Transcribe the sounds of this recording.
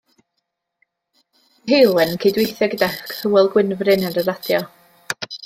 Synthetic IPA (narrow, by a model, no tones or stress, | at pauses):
ɦejlˠwɛnnkʰedwejθɛɡədakʰθəwɛlˠɡwɪnvrɨnaɾəɾadjɔ